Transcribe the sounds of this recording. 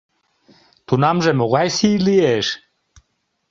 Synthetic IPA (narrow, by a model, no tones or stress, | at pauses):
t̪unamʒɛmoɣajsiːlieʃ